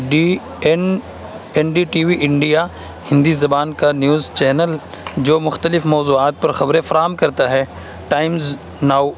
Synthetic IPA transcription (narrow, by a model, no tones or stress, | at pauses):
ɖi | ɛn | ɛnɖiʈiːʋiʔɪ̃ɳɖija | hɪ̃nd̪izɐbaːnkanjuːzt͡ʃɛːnəl | d͡ʒoːmʊxt̪əlɪfmɔːzuːaːt̪̚pɐɾxɐbɾẽfɐɾaːɦəmkɐɾt̪aɦɛː | ʈaːɪmz | naːʊ